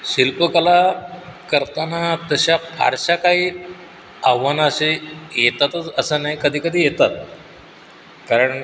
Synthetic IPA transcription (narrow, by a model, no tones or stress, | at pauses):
ɕilpəkəlakəɾt̪anat̪əɕapʰa̰ɾɕakaɦiː | aʋʋanaəɕejet̪at̪ət͡səsənaɦikəd̪ʱiːkəd̪ʱiːjet̪at̪̚ | kaɾəɳ